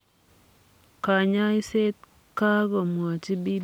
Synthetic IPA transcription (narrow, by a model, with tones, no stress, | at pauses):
ka˨ɲa˦ɪ˦se˦t̪̚ | ka˦ɡo˨mwa˨t͡ʃi˦bi˦